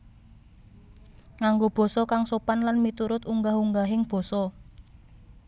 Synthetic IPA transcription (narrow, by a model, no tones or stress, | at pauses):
ŋaŋɡob̥ɔ̤sɔkaŋsopanlanmit̪uɾʊt̪uŋɡaɦuŋɡaɦɪŋb̥ɔ̤sɔ